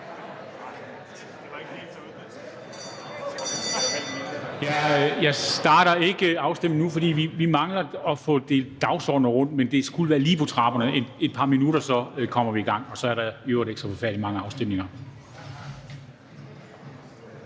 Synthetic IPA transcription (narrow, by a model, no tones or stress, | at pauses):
jæjɑ̈ɪsd̥ɑ̈ːɾɐe̝ɡ̥əɑ̈ʊsd̥em̰nŋnufɒd̥ḭːʋiʋimɑ̈ŋlɐɒ̽fɔ̰̽ːd̥e̝d̥ɑ̈ʊsɒ̰ːd̥n̩əʁɔ̽n̰d̥mend̥e̝sɡ̥uləʋæːɐliːpʰɒ̽t͡sʰʁɑ̈ːb̥ɐnəʔene̝d̥̚pʰɑ̈ːminuɾɐsɒ̽kʰɒ̽m̰ɐʋiiɡ̥ɑ̈ŋ̰ɒ̽sɒ̽æɐɾɑ̈øʊɐd̥eɡ̥sɒfɒfæɐ̰d̥imɑ̈ŋəɑ̈ʊsd̥em̰ne̝ŋɐ